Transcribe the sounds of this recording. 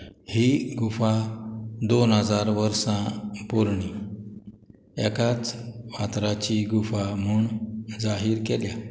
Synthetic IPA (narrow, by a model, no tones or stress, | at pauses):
hiɡufa | d̪onɦəd͡zaɾʋəɾsãpuɾɳi | ɛkat͡sʋat̪ɾat͡ɕiɡufam̤uɳd͡zaɦiːɾkɛlja